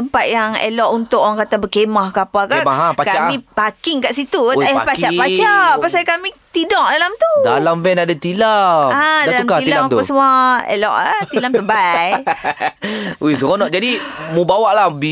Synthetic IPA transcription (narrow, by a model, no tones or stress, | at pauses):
t̪əmpat̪̚jaŋḛlɔʔunt̪ʊʔaŋkat̪abəkemahkapalkaʔmaɦapakaamĩpakɪŋkaʔsit̪ut̪japat͡ʃaʔpat͡ʃaʔpasakamit̪idɔʔ̚dalamt̪udalamvɛnadat̪iladalamkailalat̪pəsəmuaḛlɔ̰ʔt̪ilaməbaj | uis̬əkɔnɔʔ̚d͡ʒadimubawaʔlabi